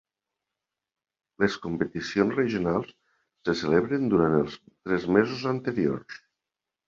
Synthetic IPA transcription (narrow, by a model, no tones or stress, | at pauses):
leskumpət̪isionzrəʒunalˠsː | əseleβɾənd̪uɾant̪əlˠst̪ɾɛzmezuzənt̪əɾio̰rs